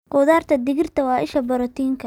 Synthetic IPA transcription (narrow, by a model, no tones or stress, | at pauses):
qʊːðaːrt̪ʰɐd̪ɪɣɪrt̪ʰɐwɑːʔɪʃɐbɐɾɔt̪ʰiːŋkʰɐ